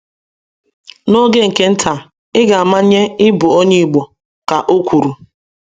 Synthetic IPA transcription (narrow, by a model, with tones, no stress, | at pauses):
no˦ɡe˦ŋ̩˨ke˦n̩˦tʰa˨ | ɪ˦ɡa˨a˨ma˦ɲe˦ɪ˦bʊ˨o˦ɲe˦˨ɡ͡bo˨ | ka˨ʔo˦kʷu˨ɾu˨